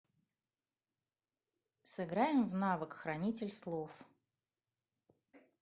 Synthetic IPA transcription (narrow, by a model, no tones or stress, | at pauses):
sɨɡɾajɪmvnavəkxɾɐnʲitʲɪlʲslˠof